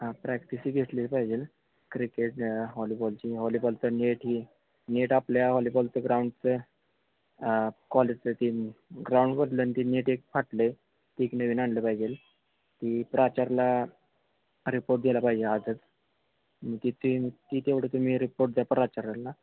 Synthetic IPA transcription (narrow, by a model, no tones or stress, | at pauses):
apɾɛkʈisiːɡʱeʈlilpaɦid͡ʑel | kɾikeʈɦɔlibɔlt͡ɕiɦɔlibɔlt͡səneʈɦiː | neʈapljaɦɔlibɔlt͡səɡɾawuɳɖt͡sə | kɔled͡ʑt͡sət̪iɡɾawɳɖkəʈləːnit̪ineʈek̚faʈle | t̪iːknəʋiːnaɳɖləpaɦid͡ʑel | t̪ipɾat͡ɕaɾla | ɾipoɾʈ̚d̪elapaɦid͡ʑelad͡zət̪ | mət̪it̪it̪it̪eʋɽet̪um̤iːɾipoɾʈ̚d͡z̪apɾat͡ɕaɾalːa